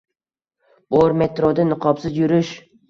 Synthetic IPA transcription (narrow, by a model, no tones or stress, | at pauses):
b̥oɾme̞t̪ɾod̪anɨqʰɒpsɪzjʊɾɪʃ